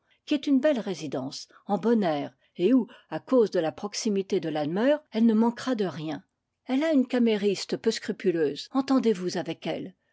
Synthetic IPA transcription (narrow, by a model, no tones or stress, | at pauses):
kʲiɛt̪ynbɛlʁezid̪ɑ̃s | ɑ̃bɔnɛːʁ | euakozd̪əlapχɔksimit̪ed̪əlad̪mœːʁɛlnəmɑ̃kχad̪əʁjɛ̃ | ɛlaynkʲameʁist̪pøskχypyløːzɑ̃t̪ɑ̃d̪evuzavɛkɛ̰l